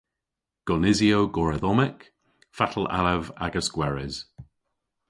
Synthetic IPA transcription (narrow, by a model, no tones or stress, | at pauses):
ɡ̥ɔnɪzioʊɡɔɹəðɔmɪk | fatʰəla̰lɛva̰ɡəskwɛɹɪz̥